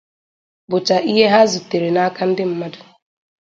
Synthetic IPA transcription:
bʊ˨t͡ʃa˨ʔi˦ɦe˦ɦa˦zu˨te˨ɾe˨na˦ka˦n̩˦dɪ˦m̩˦ma˦dʊ˨

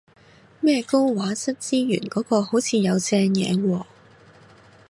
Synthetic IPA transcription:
mɛː˥ko˥wwaː˨˥sɐ˥t̚t͡siː˥jy̰ː˨˩nkɔː˨˥kɔː˧ho˨˥wt͡sʰiː˨˧jɐ˨˧wt͡sɛː˧ŋjɛ̰ː˨˧wɔː˧

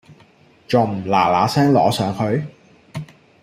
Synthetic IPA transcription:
t͡ʃɔ˨˩m̩˨˩la̰ː˨˩laː˨˧˥sɛː˥ŋlɔ̰ː˨˥sœː˨˧˥ŋhʰɵ˨˧ɥ

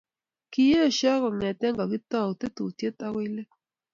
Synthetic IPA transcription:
ki˨je˦ɔ˨ʃɔ˦kɔ˨ŋɛ˨t̪ɛ˦ŋɡɔ˨ɡɪ˦t̪ɔ˦˨o˨t̪e˦t̪u˨t̪je˦t̪a˦wɪ˦le˦

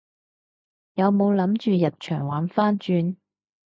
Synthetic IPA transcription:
jɐ˨˧wmo˨˧wlɐ˨˥mt͡ʃyː˨jɐ˨t̚t͡ʃʰœː˨˩ŋwaː˨˧nfaː˥nt͡ʃyː˧n

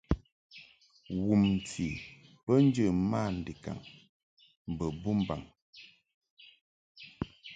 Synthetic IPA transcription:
wu˨m̩˨ti˨pə˦n̩˦d͡ʒə˦˨ma˦˨n̩˨di˨ka̰˨ŋ | m˨bə˨bu˦m˦ba̰˨ŋ

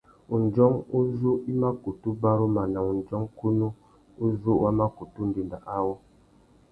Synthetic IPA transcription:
u˨n˨d͡ʒɔ˦ŋu˦zu˦i˦ma˦ku˨tu˦ba˦ɾo˦ma˨na˨ŋu˨n˨d͡ʒɔ˦ŋku˦nu˦ | u˦zu˦wa˦ma˦ku˨tu˦n̩˦di˨nda˨ʔa˦wo˦

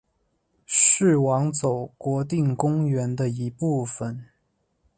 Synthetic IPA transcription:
ʂɻ̩˥˩wɑ˧˥ŋt͡so˨˩ʊkwɔ˧˥t̪i˥˩ŋkʊ˥ŋɥɛ˧˥nd̪ə˧i˧˥pu˥˩fə˩n

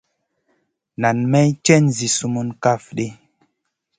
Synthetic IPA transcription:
na˨nmɛ˦jt͡ʃɛ˦nzi˨su˦mu˦nka˦fɗi˦

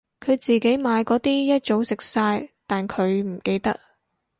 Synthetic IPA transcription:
kʰɵ˨˧ɥt͡siː˨ke˨˥jmaː˨˧jkɔː˨˥t̪iː˥jɐ˥t̚t͡ʃo˨˥wsɪ˨k̚saː˧jt̪aː˨˩nkʰɵ˨˧ɥm̩˨˩ke˧jt̪ɐ˥k̚

